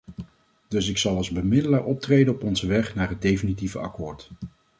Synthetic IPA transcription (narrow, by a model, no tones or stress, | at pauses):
d̥ɵsɪksɑlˠɑlˠzbəmɪdəlaːɹʔɔp̚trejdənɔpɔnzəʋɛχnaːɹɦəd̚dejfinitivəɑ̰kʊːɹt